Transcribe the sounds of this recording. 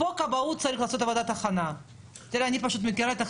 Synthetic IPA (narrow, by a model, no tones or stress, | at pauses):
okabaut̪̚sɐɾʲiχlaːso̞t̪avod̪at̪aχana | t̪iɾeanʲipaʃut̪̬mekiɾaet̪a